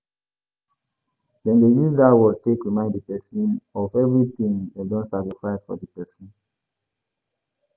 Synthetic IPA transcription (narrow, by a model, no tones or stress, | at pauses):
dɛ̃ndejuzdatwɔtekɹimãɪ̃nddəpɛsɔ̃nɔvɛvɹitĩŋɛ̃dɔ̃nsakɹifaɪsfɔ̰dəpɛsɔ̃n